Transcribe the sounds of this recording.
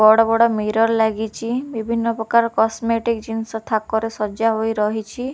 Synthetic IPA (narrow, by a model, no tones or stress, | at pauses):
ɔɽɔbɔɽɔmiɾɔɾlaɡit͡ʃʰibibʱinːɔpɾɔkaɾɔkɔsmeʈikd͡ʒinsɔt̪ʰakɔɾesɔd͡ʒaɦojɾɔɦit͡ʃʰi